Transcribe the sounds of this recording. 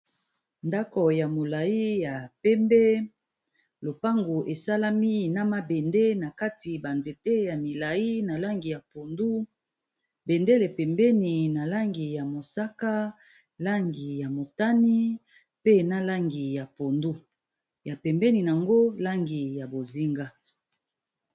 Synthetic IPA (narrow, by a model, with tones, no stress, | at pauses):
nda˦ko˨ja˨mo˨la˨i˦ja˨pɛ˦mbe˦ | lo˨pa˦ŋɡu˨ʔe˨sa˦la˦mi˦˨na˦ma˦be˨nde˦na˨ka˦ti˨ba˨nze˨te˦ja˨mi˨la˨ji˦na˨la˦ŋɡi˨ja˨po˨ndu˦ | be˨nde˦le˨pɛ˨mbɛ˦ni˨na˨la˦ŋɡi˨ja˨mo˨sa˦ka˦ | la˦ŋɡi˨ja˨mo˨ta˦ni˦ | pe˦na˦la˦ŋɡi˨ja˨po˨ndu˦ | ja˨pɛ˨mbɛ˦ni˨n˨a˨ŋɡo˦la˦ŋɡi˨ja˨bo˨zi˦ŋɡa˦